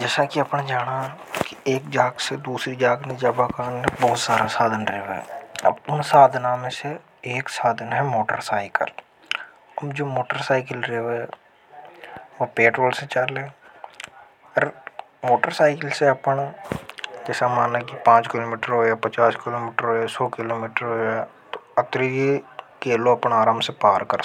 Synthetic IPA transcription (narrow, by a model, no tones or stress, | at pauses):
d͡ʒɛːsakiɐpnad͡ʒaːɽ̃akieːk̚d͡ʒaːɡsed̪uːsɾid͡ʒaːɡned͡ʒaːbakaːnːebɔːt̪saːɾasaːd̪ʱənɾɛːʋḛɐ̰bʊnsaːd̪ʱnamẽse | eːksaːd̪ʱənɦɛmoːʈə̰ɾsaːɪkə̰l | əbd͡ʒoːmoːʈəɾsaːɪkəlɾeːʋe | ʋopeːʈɾoːlset͡ʃəleː | əɾ | moːʈəɾsaːɪkəlseɐpəɳ | d͡ʒɛːsamaːnekipãːt͡ʃkɪloːmiːʈəɾɦoːaːpət͡ʃaːskɪloːmiːʈəɾɦoːasoːkɪloːmiːʈəɾɦoːaːt̪oət̪ɾijekeːloɐpɳaːɾaːmsepaːɾkəɾ